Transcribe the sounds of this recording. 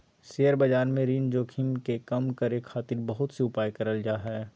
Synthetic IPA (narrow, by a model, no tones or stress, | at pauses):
seːəɾbɐd͡ʒaːɾmẽɾiːnd͡ʒoːkʰɪmkekɐmkɐɾekʰaːt̪ɪɾbɐɦʊt̪seʊpaːjkɐɾəld͡ʒaːɦaɦɛː